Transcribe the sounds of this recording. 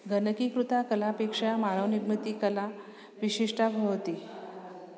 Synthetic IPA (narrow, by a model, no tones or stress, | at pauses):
ɡʱənəkikɾut̪akəlapekʂamaɾəʋnimut̪ikəla | ʋiɕiʂʈʰabʱəʋt̪iː